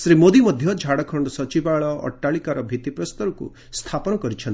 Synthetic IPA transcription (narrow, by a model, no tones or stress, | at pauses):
sɾimod̪imɔd̪ʱjɔd͡ʒʱaɽɔkʰɔɳɖɔsɔt͡ʃibaɭɔʔɔ̰ʈːaɭikaɾɔbʱit̪ipɾɔst̪ɔɾukṵ | st̪ʰapɔnɔkɔɾit͡ʃʰɔn